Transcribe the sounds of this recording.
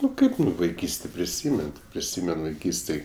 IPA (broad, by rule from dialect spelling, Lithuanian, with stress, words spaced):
ˈnʊ ˈkɐɪp ʋɐɪˈkʲiːsʲtʲeː pʲrʲɪˈsʲiːmʲɛn tʲɪ pʲrʲɪˈsʲiːmʲɛn ʋɐɪˈkʲiːsʲtʲeːj